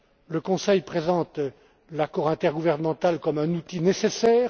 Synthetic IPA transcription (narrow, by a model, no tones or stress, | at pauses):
ləkɔ̃sɛjpχezɑ̃t̪ | lakɔʁɛ̃t̪ɛʁɡuvɛʁnəmɑ̃t̪alkɔmɛ̃nut̪inesesɛːʁ